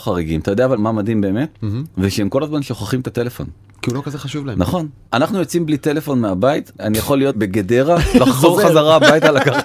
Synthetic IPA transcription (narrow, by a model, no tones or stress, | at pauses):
χaʁiɡimat̪ajd̪eavalmamadimbe̞ːme̞tveʃeemko̞lazmanʃoχaχimet̪at̪e̞le̞fo̞̰n | kiulokazeχaʃuvlaenaχo̞nʔanaχnujot͡simblit̪e̞le̞fo̞nmeabait̪anijaχo̞lːijo̞beɡede̞ʁalaχzo̞ʁχazaʁaabait̪alakaχ